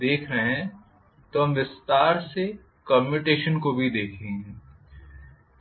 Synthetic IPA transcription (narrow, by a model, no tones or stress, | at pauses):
d̪eːkʰɾɐɦɛ̃ | t̪oɦɐ̃mʋɪst̪aːɾse | kɔːmɪʈeːʃənkobʱid̪eːkʰẽŋɡɛ